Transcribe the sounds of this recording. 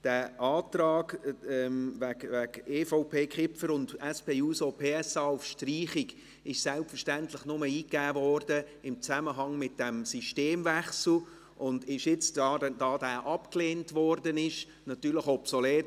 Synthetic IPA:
d̥æːʔɑːtrɑːɡɛmvækvækeːfɔʊpʰeːkχɪfəɾʊndɛspeːuːsopʰeːɛsɑːʊfʃtriːχɪɡ | ɪʃsɛlpfəɾʃtæntləχnʊməiːkːæːvɔɾdəɪmt͡sæməɦɑŋmɪt̚d̥ɛmsiʃteːmvæχsl̩ | ʔʊndɪʃjɪt͡sɑdɑːdæːʔɑpkleːntʋɔrdənɪʃ | nɑtyːɾləχɔpsɔleːt

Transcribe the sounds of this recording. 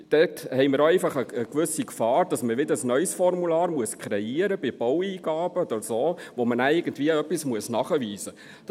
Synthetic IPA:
d̥ɛthɛɪmɪɾoɛɪfɑχəəkʋʏsikfɑːɾd̥ɑsməʋɪdəɾəsnœʏsfɔrmulɑːɾmuəskʰχɾɛiəɾəbɪb̥ɔwiːɡɑːb̥əd̪əsoːʋomənæɪɡəntviːəœpːismuəsnɑːχəʋiːzə̥

